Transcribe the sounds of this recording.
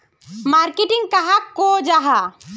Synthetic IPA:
maɾkeʈɪ̃ŋɡkɐɦakod͡ʒaɦa

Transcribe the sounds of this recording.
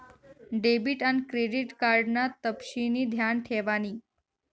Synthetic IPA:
ɖebiʈanikɾeɖiʈkaɾɖnat̪əpɕiniːd̪ʱjanʈʰeʋaniː

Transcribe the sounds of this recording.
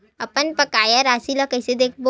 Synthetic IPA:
ɐpənpɐkaːjaɾaːsilakɐɪsed̪eːkʰbo

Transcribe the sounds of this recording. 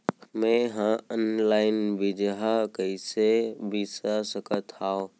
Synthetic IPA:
mẽɦãənlaɪnbid͡ʒɦakəɪsebisasəkət̪ʰao

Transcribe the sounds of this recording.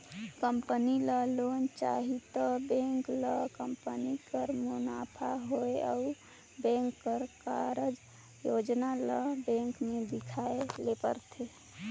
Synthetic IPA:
kəmpəniləlont͡ʃa̰ɦit̪əbẽŋkləkəmpənikəɾmunapʰaɦoeɔ̰u | bẽŋkːəɾkaɾəd͡ʒ | jod͡ʒnaləbẽŋkmed̪ikʰaelepə̰ɾt̪ʰe

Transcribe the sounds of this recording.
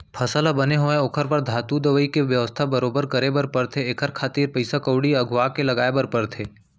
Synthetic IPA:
pʰɐsəlabɐneɦoẽokʰəɾpəɾd̪ʱaːt̪ud̪əʋəikeʋjəʋəst̪ʰabəɾoːbəɾkəɾebəɾpəɾt̪ʰeːkʰəɾkʰaːt̪iːɾpəɪsakəʊɽiɐɡʱʊakelɐɡaːebəɾpəɾt̪ʰeː

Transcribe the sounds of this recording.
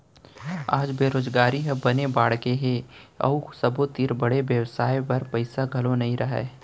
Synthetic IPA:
aːd͡ʒbeːɾoːd͡ʒɡaːɾiɦɐbɐnebaːɽkeɦeɐ̰usɐbot̪iɾbɐɽebjɐwsaːjpɐɾpɐɪsaɡʱɐlonɐɦĩɾɐɦɛ̰

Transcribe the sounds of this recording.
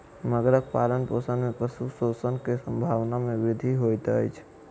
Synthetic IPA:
nəɡɾək̚palənposənmepɾəsusosənkesəmbʱaʋnameʋid̪ʱiɦojt̪ə̰jt͡ʃʰ

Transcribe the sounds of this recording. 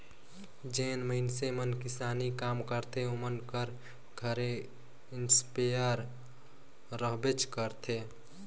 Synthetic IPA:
d͡ʒenməɪnsemənkɪsaːnikamkəɾt̪ʰeomənkəɾ | ɡʱəɾe | ɪnspejəɾ | ɾəɦbet͡ʃkəɾt̪ʰe

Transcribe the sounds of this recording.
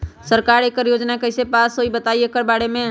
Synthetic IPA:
səɾkaɾekəɾjod͡ʒnakəɪsepasoibət̪aiekəɾbaɽemẽ

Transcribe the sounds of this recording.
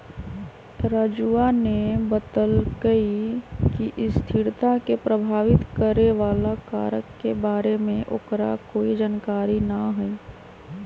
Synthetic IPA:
ɾaːd͡ʒuːanebəd̪əlɡəikiʔɪst̪ʰɪɾt̪akepɾəbʱaːʋɪt̪kəɾeʋaːlaka̰ːɾəkːebaːɾemẽʔokɾa̰koːid͡ʒaːnkaːɾinaɦɛi

